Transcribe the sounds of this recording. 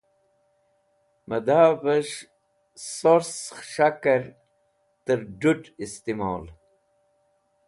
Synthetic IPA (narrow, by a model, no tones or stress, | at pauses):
məd̪aːbəʂ | soɾsʂakəɾ | t̪əɾɖuʈist̪ima̰ːl